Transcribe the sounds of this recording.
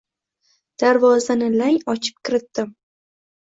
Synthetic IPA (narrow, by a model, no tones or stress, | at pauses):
d̪̥aɾvɒzanɪlaŋɒt͡ʃʰɪ̥p̚kʲʰɪɾɪt̪ːɪm